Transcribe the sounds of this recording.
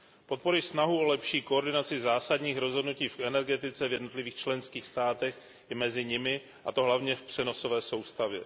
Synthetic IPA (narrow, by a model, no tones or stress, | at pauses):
po̞t̪̚po̞ɾɪsnaɦuolɛpʃiːkooɾdɪnat͡sɪzaːsadɲiːxɾo̞zɦo̞dnuciːfʔɛnɛɾɡɛt̪ɪt͡sɛvjɛdno̞t̪lɪviːxt͡ʃlɛnskiːxst̪aːt̪ɛx | ɪmɛzɪɲɪmɪ | ʔat̪o̞ɦlavɲɛfpr̝̥ɛno̞so̞vɛːso̞wst̪avjɛ